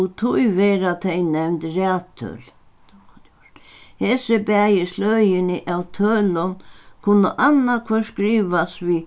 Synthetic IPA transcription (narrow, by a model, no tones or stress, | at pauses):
ut̪ʰujvɛːɾat̪ʰɛjnɛmnt̪ræːt̪ʰːœ̰ːl | hɛːsɪbæːjɪslœːjɪnɪʔawt̪ʰœːlʊnkʰʊnːəʔanːakʰvɔskɾiːʋasvi